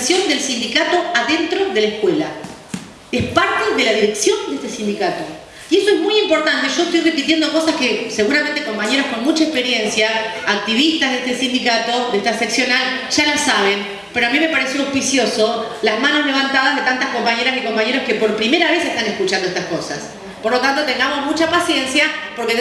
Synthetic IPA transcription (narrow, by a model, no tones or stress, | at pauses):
sjo̞nd̪elsind̪ikat̪o̞aðe̞nt̪ɾo̞ðelaehkwela̰ | espaɾt̪eðe̞laðiɾe̞ksjo̞nd̪eest̪esind̪ikat̪o̞ | iesoezmujimpoɾt̪ant̪eʒ̥o̞eht̪ojre̞pit̪je̞nd̪oko̞saskese̞ɣuɾamẽnt̪eko̞mpaɲe̞ɾosko̞nmut͡ʃaekpeɾje̞nsjaːk̚t̪iβist̪azðeht̪esind̪ikat̪o̞ðeht̪aseksjo̞nal | ʒ̥alasaβ̞e̞n | peɾoamĩme̞paɾesjoowspisjo̞so̞lazmanozle̞β̞ant̪aðaɦðet̪ant̪ahko̞mpaɲe̞ɾasiko̞mpaɲeɾoske̞po̞ɾpɾime̞ɾaβe̞sest̪anehkut͡ʃand̪oet̪ahko̞sa̰s | po̞ɾlot̪ant̪o̞t̪e̞ŋɡamo̞zmut͡ʃapasje̞nsjapo̞ɾke